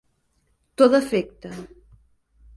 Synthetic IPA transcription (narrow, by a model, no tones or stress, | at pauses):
t̪ot̪əfek̚t̪ə